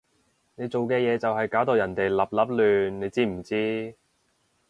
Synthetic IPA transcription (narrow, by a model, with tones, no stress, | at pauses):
ne˨˧jt͡so˨wkɛː˧jɛː˨˧t͡sɐ˨whɐ˨jkaː˨˥wt̪o˨wjɐ˨˩nt̪e˨jlɐ˨˩p̚lɐ˨˥p̚lyː˨˧nnːe˨˧jt͡siː˥m̩˨˩t͡siː˥